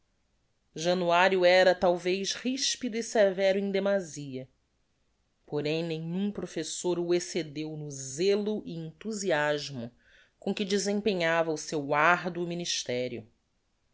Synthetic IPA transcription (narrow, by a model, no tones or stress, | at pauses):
ʒɐ̃nuaɾjʊɛɾɐt̪awvejʃhiʃpid̪ʊisevɛɾʊẽd̪emaziɐ | poɾẽj̃nẽj̃ũpɾofesoɾʊesed̪ewnʊzelʊʔɪẽnt̪uziaʒmʊ | kõkɪd͡ʒɪzẽpẽɲavɐusewaɾd̪ʊminiʃt̪ɛɾjʊ̰